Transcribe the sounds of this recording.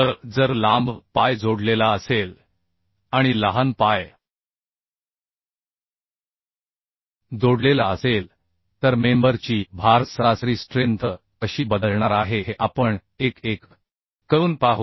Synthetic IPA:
t̪əɾd͡zəɾlãmbpajd͡zoɽlelaəsel | aɽ̃iləɦanpaj | d͡zoɽlelaəsel | t̪əɾmembəɾt͡ɕiːbʱaɾt̪sɾasɾiːsʈɾent̪ə | əɕiːbəd̪əlɳaɾaɦeɦeʔapəɳ | ekekː | əɾuːnpaɦ

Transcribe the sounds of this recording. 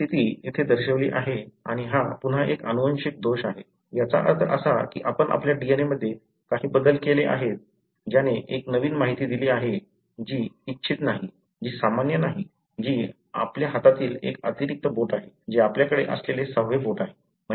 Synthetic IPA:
t̪it̪iːit̪ʰed̪əɾɕəʋlḭːʔaɦeaɽ̃iɦapunɦaʔekənuʋənɕik̚d̪oɕaɦe | jat͡sa̰ʔə̰ɾt̪ʰəɾʔə̰sakḭːʔapəɳʔa̰pljaɖieneməd̪ʱːje | kaɦiːbəd̪əlkeleʔa̰ɦet̪̚ | d͡ʑjaneʔeknəʋiːnmaɦit̪iːd̪iliːaɦe | d͡ʑiːtːɕʰit̪naɦi | d͡ʑiːsamanjənaɦi | d͡ʑiː | a̰pljaɦat̪at̪iːlḛkət̪iɾik̚t̪əboʈaɦe | d͡ʑiapljakəɽeʔə̰slelesəɦʋeboʈaɦe | m̤ə

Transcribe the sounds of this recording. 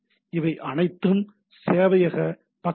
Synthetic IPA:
ɪʋɐɪʔɐɳɐɪt̪ːɯm | seːʋɐjɐɣɐ | pɐ

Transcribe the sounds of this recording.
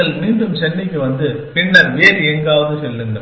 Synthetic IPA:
ɐɭmiːɳɖɯmsɛɳːɪkːɯʋɐnd̪ɯ | pɪnːɐɾʋeːɾɛŋɡaːʋɐðɯsɛlːɯŋɡɐ

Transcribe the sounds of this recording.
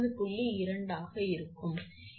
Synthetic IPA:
ðɯpʊɭːiɪɾɐɳɖaːɣɐɪɾɯkːɯm

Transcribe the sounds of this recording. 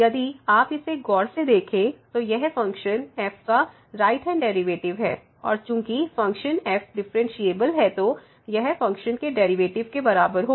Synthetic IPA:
jɐd̪iaːpɪseɡɔːɽsed̪eːkʰẽt̪ojɛɦfɐ̃ŋkʃənɛːpʰka | ɾaːɪʈɦɛ̃ːɳɖɛːɾɪʋeːʈɪʋɦɛ̰ː | ɔ̰ːɾt͡ʃũːkifɐ̃ŋkʃənɛːpʰɖɪfɾɛ̃nʃieːbəlɦɛt̪o | jɛɦfɐ̃ŋkʃənkeɖɛːɾiʋeːʈɪʋkebɐɾaːbəɾɦoː

